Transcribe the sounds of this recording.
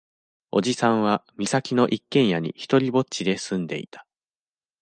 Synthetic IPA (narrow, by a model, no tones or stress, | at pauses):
o̞̰d͡ʑisãɰ̃βamʲisakʲino̞ʔikːẽ̞ɰ̃jaɲ̟ḭçi̥t̪o̞ɾʲibo̞t͡ɕid̪e̞sɨ̃nd̪e̞̰it̪ḁ